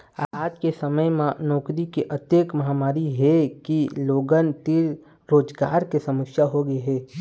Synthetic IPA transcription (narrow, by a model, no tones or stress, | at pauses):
aːd͡ʒkesɐməjmãnɔːkɾikeʔɐt̪jəkmɐɦaːmaːɾiɦɛkiloːɡənt̪iɾ | ɾoːd͡ʒɡaːɾkesɐmɪkʃjaɦoɡəeɦɛː